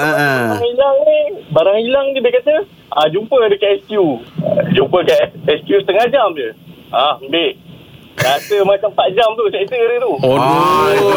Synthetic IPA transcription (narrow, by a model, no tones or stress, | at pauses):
aŋilaŋnibaɾaŋilaŋnidikat̪ə | ad͡ʒumpədəkaɛskjud͡ʒumpəkaɛskjust̪əŋad͡ʒamd͡ʒə | ahəmbeʔ | asəmat͡ʃampad͡ʒamt̪ut͡ʃait̪əɾət̪u